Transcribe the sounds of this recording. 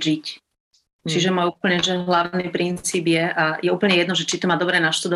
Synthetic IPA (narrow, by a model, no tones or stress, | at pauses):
ʒic | t͡ʃiʒɛmaupl̩ɲɛʒɛɦlaʊnipɾint͡siːbjɛʔajɛuːplɲɛjɛd̪nɔʒɛt͡ʃit̪ɔmaːd̪ɔbɾɛːnaʃt̪ɔd̪ɔ